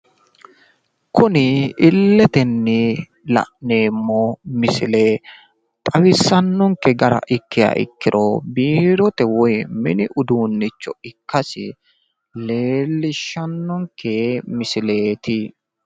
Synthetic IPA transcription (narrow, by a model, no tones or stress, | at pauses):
kʰʊnɪːlːɛt̪ɛnːɪ | lɐ̰ʔne̞ːmːomɪsɪleː | t̪ʼɐwɪsːɐnːɔŋkɛɡɐɾɐ̰ʔɪkːɪja̰ːʔɪ̰kːɪɾʔobiːɾɔt̪ɛwɔjmɪnɪʔʊd̪uːnːɪt͡ʃːɔɪkːɐsɪ̰ | leːlːɪʃːɐnːɔŋkʰːemɪsɪle̞ːt̪ɪ